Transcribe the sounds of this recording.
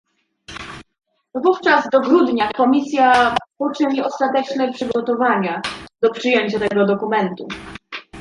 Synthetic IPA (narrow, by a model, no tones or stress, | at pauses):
vuft͡ʂazd̪ɔɡɾud̪ɲakɔmʲisʲjapɔt͡ʂɘɲiɔst̪at̪ɛt͡ʂnɛpʂɘɡɔt̪ɔvaɲad̪̥ɔpʂɘjeɲt͡ɕat̪ɛɡɔd̪ɔkumɛnt̪ṵ